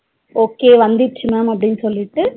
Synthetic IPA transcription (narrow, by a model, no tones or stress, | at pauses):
oːkeːʋɐnd̪iʈt͡ʃʰimaːmɐbɽinsoliʈːɨ